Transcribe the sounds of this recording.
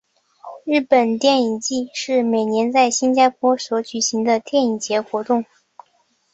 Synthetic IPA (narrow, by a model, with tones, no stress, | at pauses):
ɻɻ̩˥˩pə˨˩nt̪jɛ˥˩ni˨˩ŋt͡ɕi˥˧ʂɻ̩˥˩me˨˩ɪnjɛ˧˥nt͡sa˥˩ɪɕi˥nt͡ɕja˥pʰwɔ˥swɔ˧˥t͡ɕy˨˩ɕi˧˥ŋd̪ə˧t̪jɛ˥˩ni˨˩t͡ɕjɛ˧˥xwɔ˧˥t̪ʊ˥˩ŋ